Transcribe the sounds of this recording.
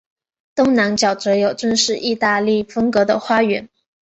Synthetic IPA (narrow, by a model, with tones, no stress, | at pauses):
t̪ʊ˥ŋna˧˥nt͡ɕjɑ˨˩ʊʈ͡ʂɤ˧˥jo˨˩ʊʈ͡ʂwə˥˧nʂɻ̩˥˧ʔi˥˧t̪a˥˧li˥˩fə˥ŋkɤ˧˥d̪ə̰˧xwa˥ɥɛ˧˥n